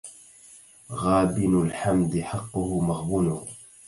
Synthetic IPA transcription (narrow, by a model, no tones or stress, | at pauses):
ɣaːbɪnalħamd̪ɪħɑqːʊhʊmaɣbunʊ